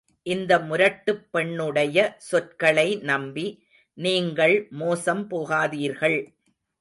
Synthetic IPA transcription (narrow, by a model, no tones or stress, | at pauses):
ʔɪnd̪ɐmʊɾɐʈːɯpːɛɳːɯɽɐjɐsɔrkɐɭɐɪnɐmbi | niːŋɡɐɭmoːsɐmpoːɣaːðiːɾɣɐɭ